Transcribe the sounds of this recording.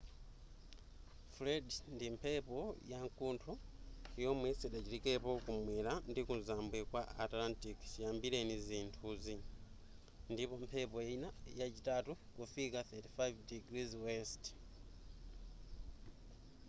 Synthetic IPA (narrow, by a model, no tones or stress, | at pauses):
fledndimpʰepo̞jaŋkuːntʰuijomwisiɗaciɾikepo̞kumweːlandikunzaːmbwekwa̰ːtlantikcijaːmbile̞niziːntʰuzi | ndipo̞mpʰepojeinajat͡ʃitatukufikaθetifajvdiɡɾizwest